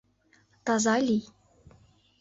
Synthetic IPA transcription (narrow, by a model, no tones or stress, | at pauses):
t̪ɑzɑlʲij